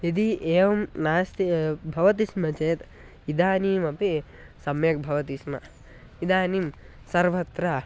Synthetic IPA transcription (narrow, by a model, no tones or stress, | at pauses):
id̪iʔeːʋɐmnaːst̪ibʱɐʋɐt̪̬ismɐt͡ʃeːt̪ | id̪aːniːmɐpi | sɐmjɐk̚bʱɐʋɐt̪ismɐ | id̪aːnim | sɐɾʋɐt̪ɾɐ